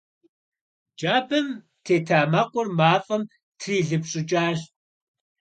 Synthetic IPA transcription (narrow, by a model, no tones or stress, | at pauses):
d͡ʒaːbɨm | tʰeːtʰaːmɐqʷʼʊrmaːfʼɐm | tʰriːɮɨpɕʼɪt͡ʃʼaːɕ